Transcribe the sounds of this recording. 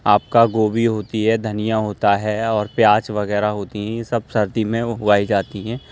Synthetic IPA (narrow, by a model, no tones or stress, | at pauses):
aːp̚kaɡoːbiɦoːt̪iɦɛd̪ʱɐnijaɦoːt̪aɦɛɔːɾpjaːt͡ʃʋɐɣɛːɾaɦoːt̪iɦɛ̃jesɐb̚sɐɾd̪imẽɦʊʋaːid͡ʒaːt̪iɦɛ̃ː